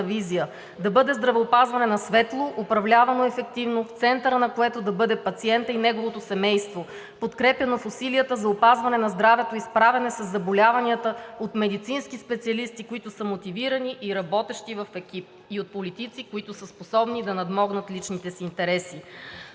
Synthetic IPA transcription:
vizijə | d̪ɐbɤd̪ɛzd̪ɾɐvɛopazvɐnɛnɐsvɛt̪lˠoʔːpɾɐvlʲavɐnoɛfɛk̚t̪ivnoft̪sɛnt̪əɾənɐkoɛt̪od̪ɐbɤd̪ɛpɐt̪siɛnt̪əinɛɡovot̪osɛmɛjst̪vo | pot̪kɾɛpɐnofʊsiliət̪əzɐopazvɐnɛnɐzd̪ɾavɛt̪oispɾavɛnɛsɐzːɐbolʲavɐniət̪əot̪mɛd̪it̪sinskispɛt̪siɐlist̪ikoit̪ʊsəmot̪iviɾɐniʔiɾɐbɔt̪ɛʃt̪ivɐfɛkʲip̚ | iot̪̚polit̪it̪sikoit̪ʊsəsposɔbnid̪ɐnɐd̪mɔɡnət̪lit͡ʃnit̪ɛsiːnt̪ɛɾɛsi

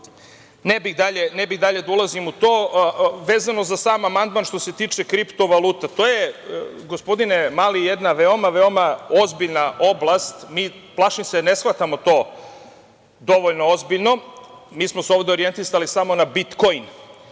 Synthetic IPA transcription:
nebid̪aʎe̞nebiɣd̪aʎe̞d̪aulˠazimut̪oːʋe̞ːzano̞zasaːmamand̪manʃt̪o̞se̞t̪iːt͡ʃekɾipt̪o̞ʋalˠuːt̪at̪oːjeɡo̞spo̞d̪inemaːlijed̪naʋeomaʋe̞o̞mao̞zbiʎnaʔo̞blˠast̪miːplˠaʃimsene̞sxlat̪amo̞t̪oː | d̪o̞ʋoʎnoozbiʎno̞miːsmoseo̞ʋd̪eo̞ɾie̞nt̪isalisamo̞nabit̪ko̞jn

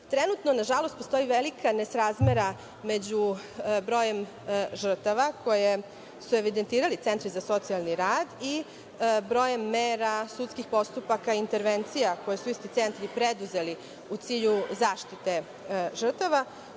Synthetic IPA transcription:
t̪ɾe̞nut̪no̞naʒalo̞st̪post̪o̞jiʋelikʰanesɾazme̞ɾa | me̞d͡ʑu | bɾo̞ːje̞m | ʒr̩t̪aʋako̞je̞ | sue̞ʋid̪e̞nt̪iːɾalit̪e̞nt̪ɾizaso̞t̪sialˠniɾaːd̪i | bɾo̞ːje̞mːeːɾasut̪skixpo̞st̪upakaint̪e̞ɾʋent̪sijako̞jesuist̪it̪se̞nt̪ɾipɾed̪uze̞li | ut̪siːʎuzaːʃt̪it̪e̞ | ʒr̩t̪aʋa

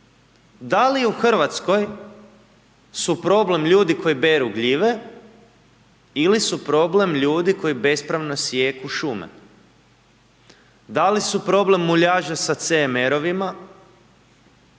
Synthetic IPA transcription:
d̪aliuxr̩ʋat̪sko̞j | supɾo̞ble̞mʎuːd̪ikʰo̞jibe̞ɾuɡʎiʋe̞ | ilisupɾo̞ble̞mʎuːd̪iko̞jibe̞spɾaʋnosjeːkuʃumḛ | d̪alisupɾo̞ble̞mːuʎaːʒasat̪seme̞ɾo̞ʋima

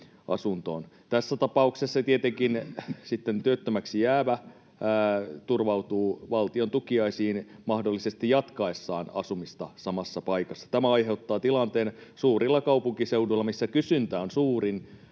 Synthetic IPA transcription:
ɑ̰sunt̪o̰ːn | t̪æsːæt̪ɑpɑuksesːɑt̪iet̪eŋkinsit̪ːent̪yøt̪ːømæksijæːʋæː | t̪urʋɑwt̪uːʋɑlt̪iont̪ukiɑisiːnmɑhdolːisest̪ijjɑt̪kɑesːɑ̰ːnɑ̰sumist̪ɑsɑmɑsːɑpɑikɑsːɑ̥t̪æmæɑiɦe̞ut̪ːɑːt̪ilɑnt̪eːnsuːrilːɑkɑupuŋkiseuduilːɑmisːækysynt̪æːonsuːrin

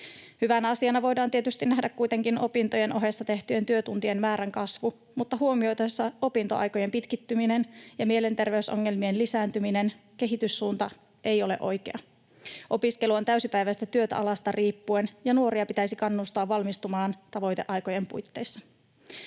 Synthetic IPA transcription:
hyʋænæɑsiɑnɑʋo̞jdɑːnt̪ie̞t̪yst̪inæhdækkːujt̪e̞ŋkino̞pint̪o̞je̞nʔo̞ɦe̞sːɑt̪e̞ht̪ye̞nt̪yøt̪unt̪ie̞nmæːɾæŋkɑsʋu | mut̪ːɑɦuo̞mio̞jt̪esːɑo̞pint̪o̞̰ɑ̰jko̞je̞mpit̪kit̪ːyminenjɑmie̞le̞nt̪e̞rʋe̞yso̞̰ŋːe̞lmienlisæːnt̪ymine̞nke̞ɦit̪ysːuːnt̪ɑ | ʔe̞jo̞le̞̰ʔo̞jkḛɑ | ʔo̞piske̞luo̞nt̪æysipæjʋæst̪æt̪yø̞t̪æ̰ʔɑlɑst̪ɑriːpːue̞njɑnuo̞ɾiɑpit̪æisikɑnːust̪oɑʋːɑlmist̪umɑːnt̪ɑʋo̞jt̪eʔɑjko̞je̞mpṵjt̪ːe̞jsːɑ̥

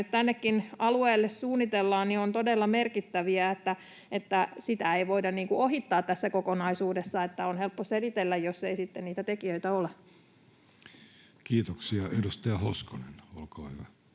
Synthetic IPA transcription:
yt̪t̪ænːekːinɑlueːlːessuːnːit̪elːɑːnniont̪odelːɑmerkit̪ːæʋiæet̪ːæ | et̪ːæsit̪æeiʋoidɑnniːŋkuʔoɦit̪ːɑːt̪t̪æsːækokonɑisuːdesːɑet̪ːæonhelpːoselit̪elːæjjosːeisit̪ːenniːt̪æt̪ekiøit̪æole | kiːt̪oksiɑedust̪ɑɑhoskonenolkɑːhyʋæ

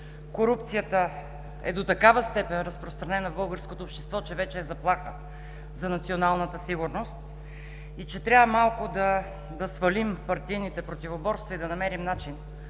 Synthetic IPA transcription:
koɾup̚t̪sijət̪ə | ɛ̰d̪ot̪ɐkavəst̪ɛpɛnɾəspɾost̪ɾɐnɛnəvbɤlˠɡəɾskot̪oːpʃt̪ɛ̥st̪vɔt͡ʃɛvɛt͡ʃɛːzɐplˠaxə | zɐnɐt̪sionalˠnət̪əsiɡʊɾnost̪ | it͡ʃɛt̪ɾʲavvəmalˠkʊd̪ɐ | d̪ɐsvɐlimpɐɾt̪ijnit̪ɛpɾot̪ivobɔɾst̪vɐid̪ɐnɐmɛɾimnat͡ʃin

